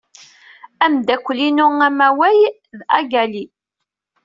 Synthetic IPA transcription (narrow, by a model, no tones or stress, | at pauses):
æmd̪ækʷːlinʊŋæmæwæj | ðæɡæli